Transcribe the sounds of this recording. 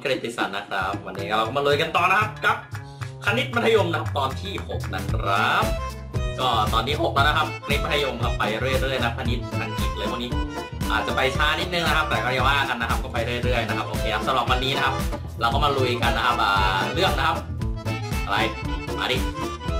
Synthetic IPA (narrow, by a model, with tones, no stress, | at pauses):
kɾiː˨˩t̪ːi˧˩sa̰˨˩nːa˦˥kʰɾa˦˥p̚wa˧nːiː˦˥kaː˥˩a˧wkɔː˥˩ma˧lu˧jka˧nt̪ɔː˨˩na˦˥kʰa˦˥p̚ka˨˩p̚ | kʰa˧ni˦˥t̪̚pʰa˧nʰa˧jo˧mna˦kʰa˦˥p̚t̪ɔː˧nt̪ʰiː˥˩ho˨˩k̚na˦˥kʰɾa˦˥p̚ | kɔː˥˩t̪ɔː˧nːiː˦˥ɦo˨˩k̚lɛː˦˥na˦˥kʰa˦˥p̚ʰa˧ni˦˥t̪̚ma˧nʰ˧jo˧mka˧˩pːa˧jɾɯ˥˩əjɾɯ˥˩əjna˦˥pʰa˧ni˦˥t̪̚tʰa˧nki˨˩t̪̚lɤː˧jpʰu˥˩ŋniː˦˥ | ʔa̰ː˨˩t̪̚t͡ɕa˨˩pa˧jt͡ɕʰaː˦˥ni˦˥t̪̚nɯ˨˧ŋna˦˥kʰa˦˥p̚t̪ɛː˨˩kʰɔː˥˩˧jwaː˥˩ʔa˧nːa˦˥kʰa˦p̚kɔː˥˩pa˧jɾɯ˥˩ə˨jɾɯ˥˩əjna˦˥kʰp̚ʔoː˧kʰeː˧kʰa˦˥p̚sa˧mɾa˨˩p̚wa˧nːiː˦˥na˦˥kʰa˦˥p̚ | ɾa˧wkɔː˥˩ma˧lu˧ka˧nːa˦˥kʰa˦˥p̚ʔaː˨˩lɯ˥˩əŋna˦˥kʰa˦˥p̚ | ʔa˧ɾa˧jaː˨˦diː˧